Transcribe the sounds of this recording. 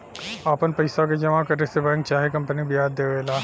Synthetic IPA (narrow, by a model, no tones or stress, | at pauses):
aːpənpɐɪsaked͡ʒɐmakɐɾesebɛ̃ːŋk̚t͡ʃaːɦekɐ̃mpənibʱɪɦaːd̪ːeːʋeːlaː